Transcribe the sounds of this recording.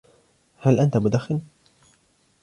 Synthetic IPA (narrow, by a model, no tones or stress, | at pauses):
halʔant̪amʊd̪axːɪl